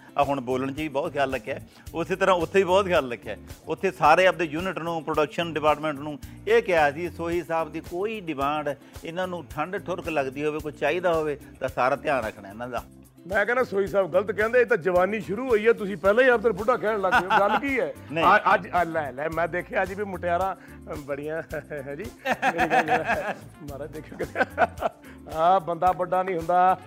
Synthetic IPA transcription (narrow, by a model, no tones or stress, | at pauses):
aɦʊɳboːləɳ̃t͡ʃiːbɔːt̪kʰjaːlːəkʰːɛː | ʊseːt̪əɾãːʊt̪ʰːeːiːbɔːt̪kʰaːlɾəkʰːɛːʊt̪ʰːeːsaːɾeːəp̚d̪eːjuːnɪʈnũːpɾoɖəkʃənɖɪpaːɾʈmɛ̃ːɳʈnũːeːkɪaːsiːsoːɦiːsaːbd̪iːkoːiːɖɪmãːɳɖ | ɪnãːnũːʈʰəɳɖʈʰʊɾkləɡd̪iːɦoːʋeːkot͡ʃaːiːd̪aːɦoːʋeːt̪ãːsaːɾaːt̪ɪjãːɾə̰kʰɽaːɪnãːd̪a̰ː | mɛ̃ːkɛːnãːsoːiːsaːbɡələt̪kɛ̃ːnd̪eːt̪̬ãːd͡ʒəʋaːniːʃʊɾuːɦoːiːɦɛːt̪̬ʊsĩːpɛːlãːĩːəbd̪əɾbʊɖãːk̬ɛːɽləɡdalkiːɛːnəĩəd͡ʒəlɛːlɛːmɛ̃ːd̪eːkʰjaːəd͡ʒbiːmʊʈejaːɾãː | bəɽijãːɦɛ̃ːd͡ʒiː | mːɾad̪eːkʰãkəɾaː | bənd̪aːbəɖaːnĩːɦʊ̃nd̪aː